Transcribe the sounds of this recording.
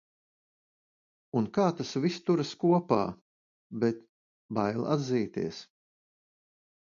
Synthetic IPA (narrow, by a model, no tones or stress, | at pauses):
unkaːt̪asvist̪uɾaskuɔpa̰ː | bɛt̪ | bajlˠa̰d̪ziːt̪ḭəs